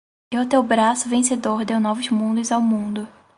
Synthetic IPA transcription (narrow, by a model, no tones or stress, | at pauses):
iʊt̪ewbɾasʊvẽsed̪oɾd̪ewnɔvʊzmũd̪ʊzawmũd̪ʊ